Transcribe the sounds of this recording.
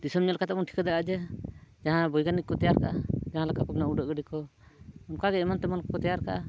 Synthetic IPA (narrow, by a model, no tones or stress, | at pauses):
d̪isɔmɲɔʔlkat̪ɛmɔnʈʰi̥kəd̪akad͡ʒɛd͡ʒaɦãbɔjɡanikːɔt̪ɛjaɾkaʔad͡ʒaɦãlakapɛbnauɖəʔɡəɖikɔɔmkaɡɛɛmant̪ɛmɔnkkɔt̪ɛjaɾka̰ʔa